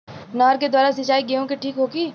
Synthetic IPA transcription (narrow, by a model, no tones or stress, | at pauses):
naːɾked̪waːɾasɐt͡ʃaːiɡeɦõkeʈʰiːkɦoːkiː